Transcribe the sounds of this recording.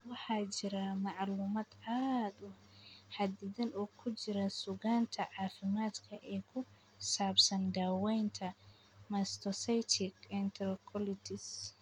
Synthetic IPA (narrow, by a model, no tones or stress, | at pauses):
wɑħɑːt͡ʃɪɾɐmɑʕluːmɐd̪aːd̪ʊ | ħɐd̪ɪðɐnʔɔːkʰʊt͡ʃɪɾɐsʊɣaːnt̪ʰɐʕɑːfɪmaːd̪kʰɐʔɛːkʰʊ | saːbsɐnd̪aːwɛjnt̪ʰɐ | mɐst̪ʰɔsɐjt̪ʰɪkɛnt̪ʰɾkʰɔlɪt̪ɪs